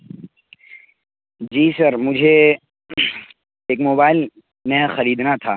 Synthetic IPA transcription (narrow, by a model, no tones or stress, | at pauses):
d͡ʒiːsɐɾmʊd͡ʒʱe | eːkmoːbaːɪl | mɛ̃xɐɾiːd̪nat̪ʰaː